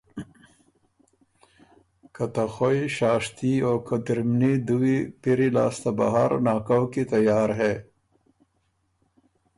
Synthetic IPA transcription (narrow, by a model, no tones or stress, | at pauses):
kɐt̪axojʃaːʂt̪ioːkɐd̪iɾmnid̪uwipiɾila̰ːst̪aba̰ɦaɾnaːkawkit̪ɐjaːɾɦeː